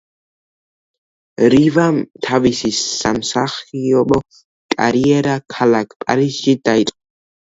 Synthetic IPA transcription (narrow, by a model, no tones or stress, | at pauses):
ɾivamt̪ʰavisisamsaχiɔbɔ | kʼa̰ɾiɛɾakʰalakʰpʼaɾisʃid̪ait̪ʼqʼɔ